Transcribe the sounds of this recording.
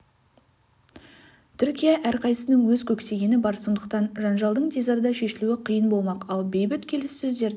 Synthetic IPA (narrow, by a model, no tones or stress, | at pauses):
t̪ʰʏɾkʲijaʔæɾqʰɑjsənəŋwɵzkʲʰɵkse̞ɡʲe̞nɪbɑɾso̞nd̪əq̚t̪ɑnʒɑnʒɑlˠd̪əɴd̪ʲezɑɾd̪ɑʃe̞ʃɪluɪqʰijənbo̞lˠmɑqɑlˠbejbɪt̪kʲʰe̞lɪssɵzd̪e̞ɾ